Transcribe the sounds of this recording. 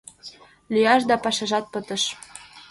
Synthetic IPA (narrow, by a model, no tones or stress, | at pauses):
lyjɑʃd̪ɑpɑʃɑʒɑt̪̚pət̪ə̆ʃ